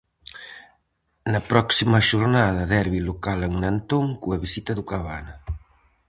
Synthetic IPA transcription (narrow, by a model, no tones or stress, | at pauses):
nɐpɾɔksimɐʃuɾnaðɐðɛɾβilokaleŋnant̪oŋkuɐβisit̪ɐðukaβanɐ